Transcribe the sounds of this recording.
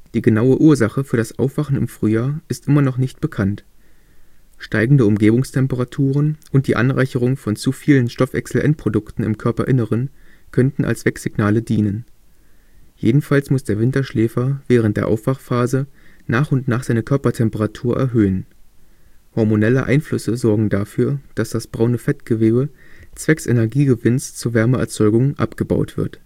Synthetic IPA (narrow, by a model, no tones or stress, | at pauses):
d̥iːɡənaʊəʔuːɐzaχəfyːɐɾasʔa̰ʊfv̥aχn̩ɪ̰mfʁ̥yːjaːɐʔɪstʔɪmɐnɔχnɪçt̚b̥əkʰant | ʃtaɪɡŋ̩dəʊmɡeːbʊŋstʰɛmpəʁatʰuːʁənʔʊnt̚d̥iːʔa̰nʁa̰ɪçəʁ̞ʊŋfɔnt͡sufiːlənʃtɔfɛ̰ksl̩ʔɛ̰ntpʁ̥odʊktn̩ɪ̰mkʰœɐpɐʔɪnəʁənkʰœntn̩ʔa̰lsv̥ɛkz̥ɪɡnaːlədiːnən | jeːdn̩falsmʊsd̥eːɐvɪntɐʃlɛːfɐvɛːʁ̞ən̩td̥eːɐʔa̰ʊfv̥aχfaːzənʔaːχʊntnaːχz̥aɪnəkʰœɐpɐtʰɛmpəʁatʰuːɐʔɛ̰ɐɦøːən | hɔɐmonɛlə̰ʔa̰ɪnflʏsəzɔɐɡŋ̩dafyːɐd̥asd̥asb̥ʁaʊnəfɛtɡ̥əveːbət͡sv̥ɛksʔḛnɛɐɡiːɡəvɪnst͡suːɐvɛɐməʔɛ̰ɐt͡sɔʏɡʊŋʔa̰pɡ̥əba̰ʊtv̥ɪ̰ɐt